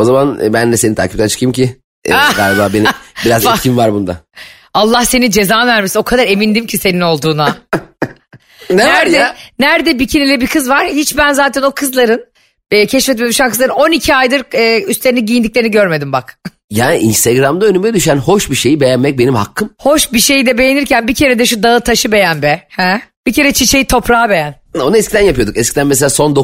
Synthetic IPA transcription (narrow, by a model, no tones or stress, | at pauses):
o̞zamanbænlʲɛse̞nit̪ʰa̰ːcip̚t̪ænt͡ʃʰɯ̥kɯjimcʰḭ | ɡaːlʲbaːbenibiɾazicʰimvaɾbund̪a̰ | alˠːahse̞nid͡ʒe̞zaːnvæɾmiso̞kʰad̪aɾe̞mind̪imcʰise̞nino̞lˠd̪uːna | nnæɾɛnæɾd̪ɛbicʰinilʲɛbikʰɯzvaɾ̥hit͡ʃbænzaːt̪ʰɛno̞kʰɯzlˠaɾɯnː | cʰɛʃfɛt̪meimyʃankɯzˠaɾɯno̞nicʰiajd̪ɯɾːyst̪lʲeɾiniɟijind̪ic̚lʲeɾniɟøɾme̞d̪imbak | jaːnḭʔḭnst̪ʰeɡɾamd̪aønymɛd̪yʃænho̞ʃbiʃe̞jibejænmɛc̚be̞nimha̰kʰːɯmho̞ʃbiʃe̞jid̪ɛbejeniɾcʰænbicʰe̞ɾed̪ɛʃud̪aɯt̪ʰaʃɯbe̞jænbɛhɛb̥icʰe̞ɾɛt͡ʃʰit͡ʃʰe̞jit̪ʰo̞pɾaːbe̞jæn | o̞nuɛskcid̪ænjapɯjo̞d̪ukɛscʰid̪ænmes̬elʲaːso̞nd̪o